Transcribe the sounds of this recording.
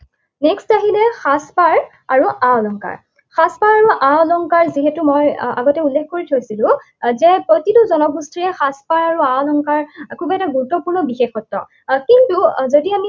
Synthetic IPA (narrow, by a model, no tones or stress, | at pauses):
nɛkstaɦilɛxaspaɹ | aɹuʔaɔlɔŋka̰ɹ | xaspaɹaɹuʔãɔlɔŋkaɹziɦetumoja̰ɡɔtɛulːekʰkoɹitʰojsilʊ̃ | zɛpɹotituzɔnɔbustɹiɛxaspaɹaɹuaɔlɔŋkaɹkʰubɛtaɡuɹutɔpuɹnɔbixexɔtːɔ̰ | kintuzodiami